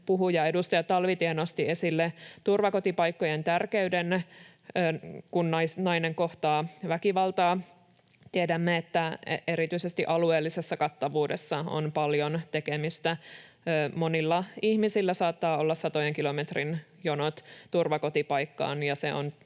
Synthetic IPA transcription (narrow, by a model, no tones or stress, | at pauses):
puɦujɑe̞dust̪ɑjɑt̪ɑlʋit̪ienost̪iesilːet̪urʋɑko̞t̪ipɑjkːojent̪ærkeyden | øːkunnɑjsnɑjneŋko̞ht̪ɑːʋækiʋɑlt̪ɑː | t̪iedæmːeet̪ːæeɾit̪yisest̪iʔɑlueːlːisesːɑkɑt̪ːɑʋuːdesːɑo̰npɑljont̪ekemist̪æ | monilːɑihmisilːæsɑːt̪ːɑːolːɑssɑt̪ojeŋkilo̞met̪rin | jonot̪t̪urʋɑkot̪ipɑjkːɑ̰ːnjɑseo̰n